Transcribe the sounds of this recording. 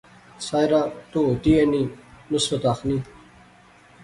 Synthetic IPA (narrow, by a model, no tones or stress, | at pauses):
saːjɾat̪uot̪ieninusot̪axni